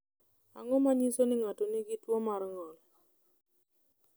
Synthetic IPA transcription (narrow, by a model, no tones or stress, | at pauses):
aŋɔmaɲisonɪŋatoniɡɪtwɔmaɾŋɔl